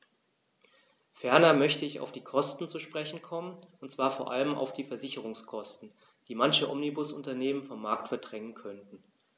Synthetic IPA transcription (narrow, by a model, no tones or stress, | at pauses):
fɛɐnɐmœçtəɪça̰ʊfd̥iːkʰɔstn̩t͡suʃpʁ̥ɛçn̩kʰɔmənʊntt͡sv̥aːɐfoːɐʔa̰ləma̰ʊfd̥iːfɛɐzɪçəʁ̞ʊŋskʰɔstn̩ | d̥iːmançəʔɔmnibʊsʊntɐneːmənfɔmːaɐk̚tfɛɐdʁɛŋənkʰœntn̩